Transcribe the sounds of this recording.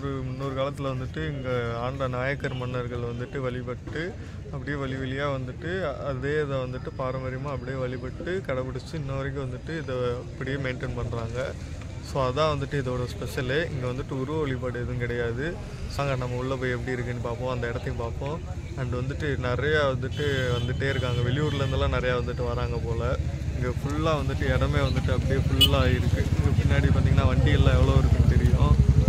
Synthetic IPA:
ɾɯmʊnːoɾɯkaːlɐt̪ːɪlɐʋɐnd̪ɯʈːɯɪŋɡeaːɳɖɾɐnaːjɐkːɐɾmɐnːɐɾɣɐɭʋɐnd̪ɯʈːɯʋɐɭɪpɐʈːɯ | ɐpːɐɽɪjeːʋɐɭɪʋɐɭɪjaːʋɐnd̪ɯʈːɯɐðeːɪðɐʋɐnd̪ɯʈːɯpaːɾɐmɐɾɪmãːɐpːɐɽɪjeːʋɐɭɪpɐʈːɯkɐɽɐpɐɽɯt͡ʃːɯɪnːɐʋɐɾɐk̬ːɯ̃ʋɐnd̪ɯʈːɯɪðɐɐpːɐɽɪjeːmeːɳʈenpɐɳːɾaːŋɡɐ | soːɐðãːʋɐnd̪ɯʈːɯɪðoːɽɐspɛʂɐleːɪŋɡeʋɐnd̪ɯʈːɯʊɾɯʋɐʋɐɭɪp̬aːɽɯɪðɯ̃kɪɽɐjaːðɯ | saːŋɡɐnɐmːɐʊɭːɐpoːjɛpːɐɽiɪɾɯkːɐnːɯpaːɾpõːɐnd̪ɐɪɽɐt̪ːɪjʊ̃paːɾpõː | ɐnɖɯʋɐnd̪ɯʈːɯnɪɾɐjaʋɐnd̪ɯʈːɯʋɐnd̪ɯʈːeːɪɾɯkːaːŋɡɐʋɛlɪjuːɾɪlɐɾɯnd̪ɯlãːnɪɾɐjaːʋɐnd̪ɯʈːɯʋaɾaːŋɡɐpoːlɐ | ɪŋɡeːfʊɭːaːʋɐnd̪ɯʈːɯɛɽɐmeːʋɐnd̪ɯʈːɯɐpːɐɽɪjeːfʊɭːaːɪɾɯkːɯɪŋɡepɪnːaːɽipaːɾt̪iːŋɐnaːʋɐɳɖɪjɪlːãːɛʋːɐɭoːɪɾɯkːɯt̪ɛɾɪjʊ̃

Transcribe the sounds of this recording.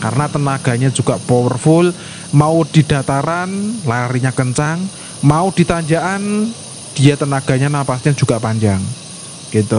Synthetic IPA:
ka̰rənat̪ənaɡ̥a̤ɲad͡ʒ̥uɡ̥aʔpɔwərfʊl | maud̪̥i̤d̪̥a̤t̪aɾanlaɾiɲakəɲt͡ʃaŋ | maud̪̥i̤t̪aɲd͡ʒaʔan | d̪̥ijat̪ənaɡ̥a̤ɲanapasɲad͡ʒ̥uɡ̥aʔpaɲd͡ʒaŋ | ɡ̥it̪u

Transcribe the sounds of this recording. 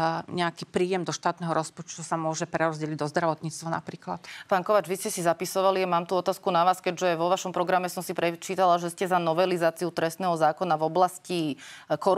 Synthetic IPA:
ɲɛakiːpɾiːjɛmd̪ɔʃt̪aːt̪nɛɦɔɾɔspɔt͡ʃt̪usamʊɔʒɛpɾɛɾɔzɟɛliɟd̪ɔzd̪ɾaʋɔt̪ɲiːt͡st̪ʋana̰pɾiːkla̰t̪paːnkɔʋaːd͡ʒʋiscɛsizapisɔʋaliamaːmt̪uːɔt̪aːskunaʋaːskɛɟʒɛʋɔʋaʃɔmpɾɔɡɾamɛsɔmsipɾɛt͡ʃiːt̪alaʒɛscɛzanɔʋɛlizaːt͡siut̪ɾɛst̪nɛːɦɔzaːkɔnavɔblascikɔɾ

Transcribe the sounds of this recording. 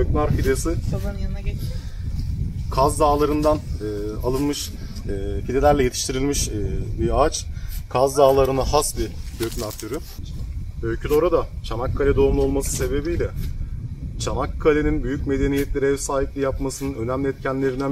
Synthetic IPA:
øknaɾfid̪esin | kʰazd̪aːlˠaɾɯnd̪anɛːalˠɯnmɯʃː | fid̪e̞lʲæɾlʲɛje̞t̪ʰi̥ʃt̪ʰiɾilʲmiʃbiat͡ʃkʰazd̪aːlˠaɾɯnaɦasbid̪øknaɾt̪ʰyɾy | ølʲcʰyd̪o̞ɾad̪at͡ʃʰamakʰːalʲɛd̪o̞umlˠuo̞lˠmasɯ̥se̞be̞bijlʲɛ | t͡ʃʰamakʰːalʲe̞ninbyjycme̞d̪e̞nijɛt̪lʲe̞ɾiɛvsaːɦiplʲijapmasɯnɯnø̞næmlʲiɛt̪̚cʰænlʲe̞ɾinæ

